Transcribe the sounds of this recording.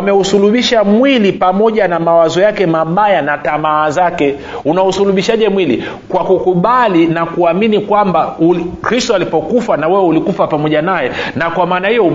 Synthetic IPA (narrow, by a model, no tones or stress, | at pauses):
mɛusuluɓiʃamwilipamɔʄanamawazɔjakɛmaɓajanatamaːzakɛ | unausuluɓiʃaʄɛmwilḭ | kwakukuɓalinakuaminikwambaukɾistɔalipɔkufanawɛwɛulikufapamɔʄanajɛnakwamaːnahijɔ